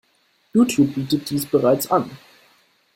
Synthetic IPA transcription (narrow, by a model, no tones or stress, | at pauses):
juːtʰjuːp̚b̥iːtət̚d̥iːsb̥əʁaɪt͡san